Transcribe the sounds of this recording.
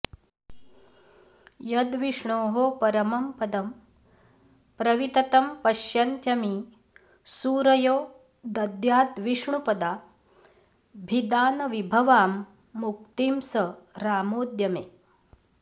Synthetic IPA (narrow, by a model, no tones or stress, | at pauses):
jɐd̪ʋiʂɳoːɦopɐɾɐmɐmpɐd̪ɐm | pɾɐʋit̪ɐt̪ɐmpɐʃjɐnt̪jɐmi | suːɾɐjoː | d̪ɐd̪jaːt̪ʋiʂɳupɐd̪aː | bʱid̪aːnɐʋibʱɐʋaːmː | uk̚t̪iːmsɐɾaːmoːd̪jɐmeː